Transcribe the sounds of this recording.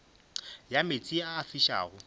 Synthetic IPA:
jamet͡sʼiaːfiʃa̰ːɣʊ

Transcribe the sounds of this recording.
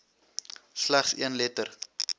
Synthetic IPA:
slæχsiənlɛtər

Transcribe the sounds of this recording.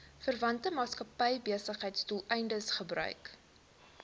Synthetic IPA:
fərvɐntəmɑːtskɐpɛjbiəsəχɦəjtstulˠɛjndəsχəbrœ̰ɥk

